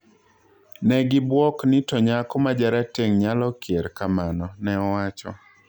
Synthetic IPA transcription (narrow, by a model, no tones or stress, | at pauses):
nɛɡɪbwɔknɪtɔɲakɔmad͡ʒaɾateŋɲalɔkjeɾkamanɔnɛɔwat͡ʃɔ̰